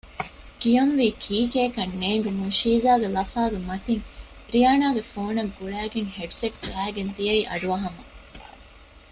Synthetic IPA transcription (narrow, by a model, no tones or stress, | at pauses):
kijɐnʋiːkʰiːkeːkɐnːeːŋɡemuʃiːzaːɡelɐfaːɡemɐt̪iŋ | ɾijaːnaːɡefoːnɐɡɡuɭæːɡeŋheɖseʈd͡ʒæːeɡend̪iɐiːʔɐ̰ɖuɐɦɐmɐ